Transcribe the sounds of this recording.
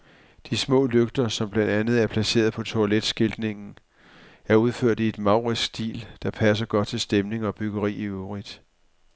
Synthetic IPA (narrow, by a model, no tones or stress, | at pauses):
d̥ismɔ̰̽ːløɡ̥d̥ɐsɒ̽mb̥lænd̥ænð̞̩ˠæɐpʰlæse̝̰ːɐð̞̩ˠpʰɒ̽t͡sʰo̝æled̥sɡ̥e̝ld̥ne̝ŋn̩ | æɐuð̞ˠføɐ̰d̥ie̝d̥mɑ̈ʊʁisɡ̥d̥ḭːld̥ɑ̈pʰæs̬ɐɡ̥ɒ̽d̥̚t͡sʰe̝lsd̥emne̝ŋɒ̽b̥yɡ̥ɐʁḭːiuʁid̥